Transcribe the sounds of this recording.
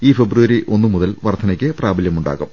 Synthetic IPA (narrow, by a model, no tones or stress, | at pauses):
iːfebruʋɐɾiʔʔo̞nːɨmuðɐlʋɐrt̪ʰɐnɐkʲːɨpraːbɐljɐmuɳɖa̰ːɣum